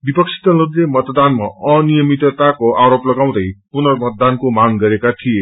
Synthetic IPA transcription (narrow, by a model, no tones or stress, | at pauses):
bipʌksʰi̥t̪ʌlud̪ɾemʌt̪d̪anma̰ʌnijʌmit̪ʌt̪akoʔaɾoplʌɡaw̃d̪ʌjpunʌrmʌt̪̚d̪ankomaŋɡʌɾekat̪ʰije